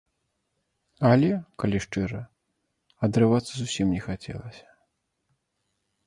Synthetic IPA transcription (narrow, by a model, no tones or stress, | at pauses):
ɐlʲɛkalʲiʂt͡ʂɨɾɐ | ɐd̪ɾɨvat̪sːɐzusʲimnʲɛxat͡sʲɛ̰lˠɐsʲɐ̥